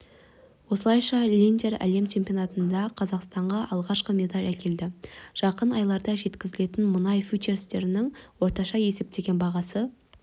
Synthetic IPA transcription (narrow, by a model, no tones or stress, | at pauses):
wo̞səlˠɑjʃɑlʲint̪eɾæ̰le̞mt͡ʃʰempionɑt̪ənd̪ɑqʰɑzɑqst̪ɑɴʁɑʔɑlˠʁɑʃqəme̞d̪ɑlʲækʲʰe̞ld̪ɪʒ̥ɑqənɑjlˠɑɾd̪ɑʒe̞t̪kʲɪzɪle̞t̪ɪnmʊnɑjfʲut͡ʃeɾst̪e̞ɾɪnɪŋwo̞ɾt̪ɑʃɑje̞se̞p̚t̪e̞ɡʲe̞nbɑʁɑsə